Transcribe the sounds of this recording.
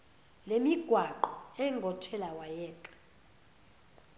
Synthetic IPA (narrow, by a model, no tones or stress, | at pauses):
lemiɡ̥ʱwaǃɔɛŋɡʱɔtʰɛlawajɛːkʼḁ